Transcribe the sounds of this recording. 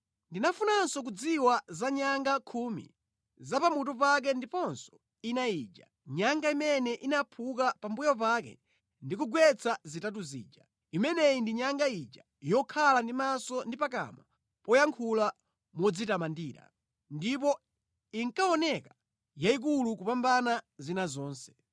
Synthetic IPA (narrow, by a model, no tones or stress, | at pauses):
ndinafunansɔk̬ud͡ziwazaɲaŋɡakʰumḭ | zapamut̬up̬ak̬ɛndipɔnsɔ̥ | inaiːd͡ʒa̰ | ɲaŋɡaimɛnɛʔinapʰuk̬apambujɔp̬akɛ̰ | ndikuɡwɛt͡sʰazitat̬uzḭːd͡ʒa | imɛnɛindiɲaŋɡaid͡ʒa | jɔkʰalandimasɔndipak̬a̰ma | pɔjaŋkʰula | mɔd͡zitamandiːɾa̰ | ndipɔ | iŋkaɔnɛka | jaik̬ulukupambanazinazɔːnsɛ̥